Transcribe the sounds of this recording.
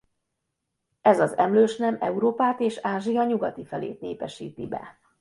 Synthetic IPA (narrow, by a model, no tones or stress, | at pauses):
ɛzɒzɛmløːʃnɛmɛ̰uɾoːpaːt̪eːʃaːʒijɒɲuɡɒt̪ifɛlḛːt̪̚nḛːpɛʃḭːt̪ibɛ̰